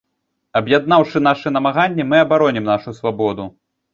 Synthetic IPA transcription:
ɐbjad̪̚nawʂɨnaʂɛnɐmaɣanʲːimɨɐbaɾɔnʲimnaʂusvabɔd̪u

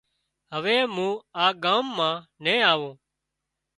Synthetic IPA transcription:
ɦəʋeːmũːaːɠãːmːãːnẽːaːʋõː

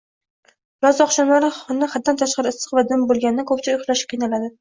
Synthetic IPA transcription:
lɒzɒχʃɒnlaɾɪχɒnːaχat̪̚ːant̪ʰaʃqɑɾɪɪsɨ̥qvad̪ɪmbolˠɡʲanɪnɪkʰɵpt͡ʃʰaʊjχlaʃɪ̥p̚ʲqʰijnalad̪ɪ

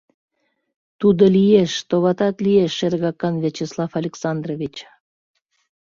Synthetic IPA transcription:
t̪ud̪olijeʃt̪oβɑt̪ɑt̪lieʃːeɾɣɑkɑnvʲet͡ɕeslˠɑfɑlʲeksɑnd̪rovʲit͡ɕ

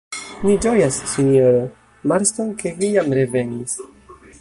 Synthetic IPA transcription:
nid͡ʒojasːinoɾo | maɾstonke̞vijamɾe̞ve̞nis

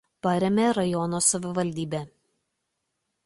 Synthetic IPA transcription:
pɐɾʲemʲeːɾɐjɔnoːsɐʋʲɪʋɐlʲd̪ʲiːbʲe

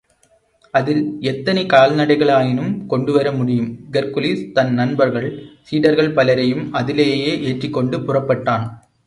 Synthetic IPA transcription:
ɐðɪlɛt̪ːɐnɛkaːlnɐɽɐɪɣɐɭaːjɪnɯmkɔɳɖɯʋɐɾɐmʊɽɪjɯmɡɛɾkʊlist̪ɐnnːɐnbɐɾɣɐɭsiːɽɐɾɣɐɭpɐlɐɾɐjɯmɐðɪleːjeːʔeːʈrɪkːɔɳɖɯpʊrɐpːɐʈːaːn

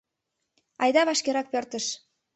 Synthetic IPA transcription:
ɑjd̪ɑβɑʃkeɾɑk̚pørt̪ə̆ʃ

